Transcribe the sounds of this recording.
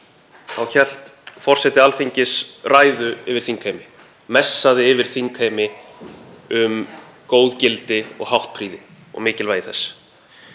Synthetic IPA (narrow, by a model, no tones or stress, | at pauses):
θawçɛl̥t̪fɔr̥sɛt̪ɪalθiɲcɪsraːjðʏɪvɪɾ̥θiŋkʰajmɪ | mɛsːaðɪɪvɪɾ̥θiŋkʰajmɪ | ʏm | koːwðcɪlt̪ɪɔ̰ɣɦawht̪̚pʰɾiːðɪ | ɔ̰ɣmɪːcɪlvaːjɪθɛsː